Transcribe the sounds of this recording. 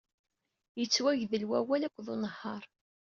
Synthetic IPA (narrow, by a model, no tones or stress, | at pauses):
jət͡sːwæʝðəlwæwælækʷːðʊnəhːɑɾˤ